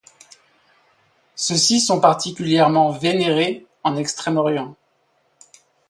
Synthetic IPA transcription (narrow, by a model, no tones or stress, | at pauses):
səsisɔ̃paʁt̪ʰikʲyljɛʁmɑ̃veneʁe | ɑ̃nɛkst̪χɛmɔʁjɑ̃